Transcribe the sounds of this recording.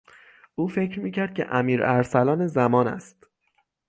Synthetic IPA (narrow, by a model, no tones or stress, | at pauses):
ʔuːfe̞cʰɾmiːcʰæɾd̪̚cʰe̞̰ʔæmiːɾæɾsælɒːnezæmɒːnæ̰st̪